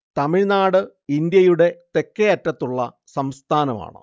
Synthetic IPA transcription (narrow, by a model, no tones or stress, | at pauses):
t̪ɐmiɻnaːɽɨ | ind̪jɐjuɽe̞t̪e̞kːɐjɐtːɐt̪ːuɭːɐ̰ | sɐmst̪ʰaːnɐma̰ːɳɨ̰